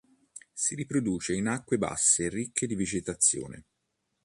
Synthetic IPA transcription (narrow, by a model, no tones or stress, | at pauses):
siɾipɾod̪uːt͡ʃeinakːweba̰sːerikʰːed̪ivid͡ʒet̪at̪sːjo̰ːnḛ